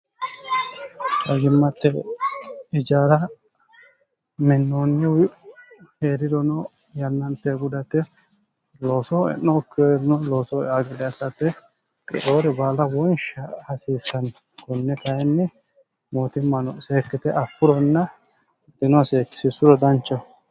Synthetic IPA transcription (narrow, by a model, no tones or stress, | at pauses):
ɐɡɪmːɐt̪ːɛ | ɪd͡ʒaːɾɐ | mɪnːoːnːɪ | heːɾɪd̪ɔnɔ | jɐnːɐnt̪ːeɡʊd̪ɐt̪ːɛ | lo̞ːsɔɛ̰nːɔkːeɾɪnɔlo̞ːsɔaɡɛd̪ɛɐsɐt̪ːɛ | kʼɛ̰ʔoːɾɪbaːlːɐwɔnʃɐhɐsiːsɐn | kɔnːɛkɐjɛnːɪ | moːt̪ɪmːɐnɔseːkːɪt̪ɛʔɐpːʊɾɔnːɐ | t̪ːɪnʊɐseːkːɪ̥sɪsʊɾɔd̪ɐnt͡ʃːɐ